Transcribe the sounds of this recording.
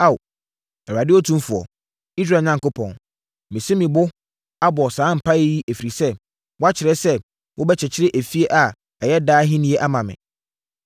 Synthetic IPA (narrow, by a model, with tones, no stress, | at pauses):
a˦˨w | ɛ˨a˨dɪ˦ɔ˦tʰũ˦m˦fʊ˨ɔ̰˨ | i˦s̬ɾaː˨ɲã˦ŋkʊ˦pʰɔ̃˨n | mɪ̃˨se˦mĩ˨bʊ˦ | a˦bɔ˨sãː˨˦m̩˨pʰa˦e˦ji˦ʔæ˨fi˨ɾi˨sɛ˦ | wɔ˦a˦t͡ɕʰɪ˨ɾɛ˦sɛ˦ | wʔʊ˦bɛ˦t͡ɕʰɛ˨t͡ɕʰɪ˦ɾɪ˦ʔæ˨fi˦e˦ʔa˨ | ɛ˨jɛ˦daː˦ɦĩ˦nĩ˦e˦ʔa˦mã˨mɪ̰̃˨